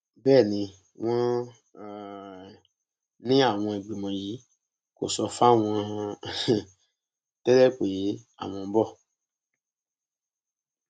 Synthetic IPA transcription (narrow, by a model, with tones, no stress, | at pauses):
bɛː˦˨nĩ˧ | w̃ɔ̃˦˨ | nĩ˦a˦˨w̃ɔ̃˧e˨ɡ͡bi˨mɔ̃˨ji˨˦ | ko̰˨sɔ˧fa˦w̃ɔ̃˧ | tɛ˦lɛ˦k͡pe˨˦ | a̰˨w̃ɔ̃˧bɔ˦˨